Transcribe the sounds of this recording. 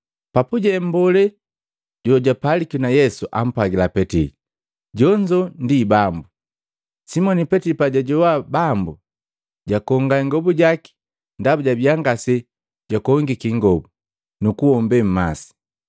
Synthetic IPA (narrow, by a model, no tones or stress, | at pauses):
papuɟɛmbɔlɛ | ɟɔɟwapalikinajɛsuʔam̩paɡilapɛtili | ɟɔɲd͡ʒɔndibambu | simɔnipɛtilipaɟaɟɔwabambu | ɟakɔŋɡaŋɡɔbuɟaki̥ | ndabuɟabiaŋɡasɛ | ɟakɔŋɡikiŋɡɔbu | nukuɔmbɛm̩ma̰si̥